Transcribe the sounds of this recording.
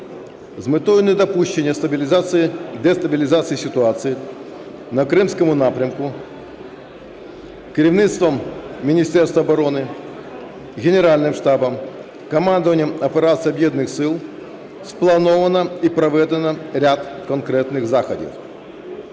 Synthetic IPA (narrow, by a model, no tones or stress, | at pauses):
zmɨt̪ojɪnəd̪ɐpuɕːɪnʲɪjəst̪bʲlʲzasɨd̪ɛst̪ɐbʲɪlʲɪzat̪sɨɪsʲɪt̪ʊat̪sɨɪ | nɐkɾɨmskəmʊnapɾʲəmkʊ | kɾʲɪvnʲit̪st̪vəmːʲɪnʲɪsʲtʲerst̪vɐbɐɾo̞nɨ | ɡʲɪnʲɪɾalʲnɨmʂt̪abəm | kɐmand̪əvənʲɪjəmɐpʲɪɾat̪sɨjɐbjed̪nɨxsʲɨlˠ | splˠɐnovənəipɾɐvʲed̪ʲənəɾʲat̪kɐnkɾʲet̪nɨxzaxɐdʲɪ̰f